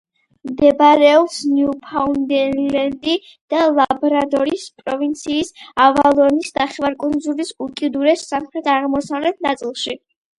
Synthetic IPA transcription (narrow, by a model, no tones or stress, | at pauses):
md̪ɛbɾɛɔpsniupʰaund̪ɛɾlɛnd̪i | d̪̥alˠabɔɾad̪ɔɾispʼɾɔvint̪sʰiːsavalˠɔnisd̪aχɛvaɾkʼund̪zulisukʼid̪uɾɛsːamχɾɛt̪ʰaʁmɔsavlɛt̪ʰnat̪sʼilˠʃi